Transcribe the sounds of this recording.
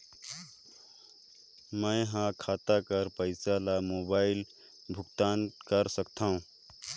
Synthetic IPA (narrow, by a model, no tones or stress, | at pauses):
mə̃ɪ̃ɦãkʰat̪akəɾpəɪsalamobaɪl | bʱʊkt̪ankəɾsəkt̪ʰaɦũ